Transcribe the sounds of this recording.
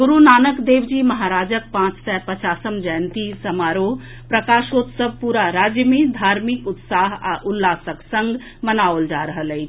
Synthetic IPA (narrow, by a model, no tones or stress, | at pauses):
ɡuɾunaːnəkd̪eːwd͡ʒimɐɦaɾaːd͡ʒək̚pãːt͡ʃsɛpət͡ʃaːsəmd͡ʒəjnt̪isəmaːɾo | pɾəkaːʃot̪səb̚ʱpuɾaɾaːd͡ʒjəmid̪ʱaːɾmikʊt̪saɦa̰ʔulːaːsəksə̃ŋɡ | mənaold͡ʒaɾəɦələɪt͡ʃʰ